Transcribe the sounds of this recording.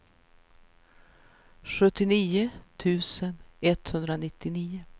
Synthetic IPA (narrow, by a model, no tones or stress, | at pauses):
ɧɵt̪ːɪniːʊt̪ʰʉ̟ːsənɛt̪hɵnd̪ɾanɪt̪ːɪniːʊ